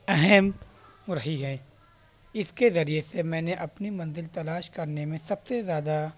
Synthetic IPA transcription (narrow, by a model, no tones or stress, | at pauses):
ɛɦɛmɾɐɦiɦɛː | ɪskezɐɾijesemɛ̃ːneʔɐpnimɐ̃nzɪlt̪ɐlaːʃkɐɾnemẽsɐbsezjaːd̪a